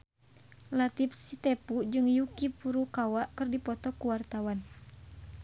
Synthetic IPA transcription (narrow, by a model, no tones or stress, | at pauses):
lat̪ipsit̪ɛpud͡ʒɨŋjukipuɾukawaʔkɨrdipɔt̪ɔkuwart̪awan